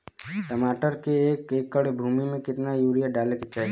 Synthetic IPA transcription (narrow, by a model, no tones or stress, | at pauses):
ʈəmaːʈəɾkeeːkeːkːəɽbʱuːmimẽkɪt̪najuːɾijaɖaːleket͡ʃaɦ